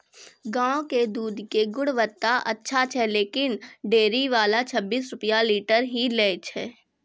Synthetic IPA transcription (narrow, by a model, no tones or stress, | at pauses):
ɡãːoked̪uːd̪keɡʊɽʋət̪ːaʔɐtːʃʰat͡ʃʰɛleːkɪnɖeːɾiʋaːlat͡ʃʰəbːiːs̬ɾʊpjaliːʈəɾɦileːt͡ʃʰɛː